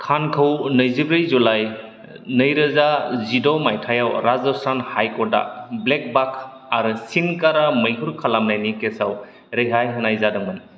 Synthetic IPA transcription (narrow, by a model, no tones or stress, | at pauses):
kʰankʰəwnəjzibɾɯjzulaj | nəjɾɯzazidɔmajtʰajawɾazɔstanhajkɔda̰blek̚bakʰ | aɾɯsinkaɾamɯjɦuɾkʰalamnajnikesaw | ɾɯjɦajɦɯnajzadɯŋmɯn